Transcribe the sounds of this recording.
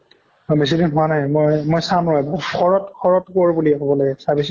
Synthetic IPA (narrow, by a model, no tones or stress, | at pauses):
bes̬idinɦʊanajmojmojsamɹɔjbakʰɔɹɔtkʰɔɹɔtkoɹbuliɛkɔbɔlaɡɛsabis̬i